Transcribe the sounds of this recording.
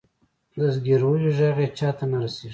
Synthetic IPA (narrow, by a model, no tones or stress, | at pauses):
d̪əzɡeɾwojiʒaɣet͡ʃɑt̪anaɾaseʐi